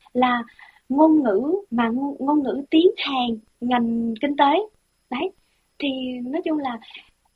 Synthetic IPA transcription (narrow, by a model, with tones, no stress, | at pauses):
laː˨˩ | ŋo˧nŋɨ̰˧˥maː˨˩ŋo˧nŋɨ̰˧˥t̪i˨˦ənhaː˨˩ŋ | ŋa˨˩jŋ̟kï˧ŋ̟t̪əː˨˦j | ɗə˨˦j | t̪ʰi˨˩nɔ˨˦jt͡ɕʊ˧ŋ͡mlaː˨˩